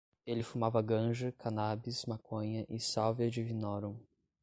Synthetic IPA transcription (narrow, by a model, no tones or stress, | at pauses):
elɪfumavɐɡɐ̃ʒɐkanabismakõɲɐʔɪsawvɐd͡ʒɪvinɔɾɐ̃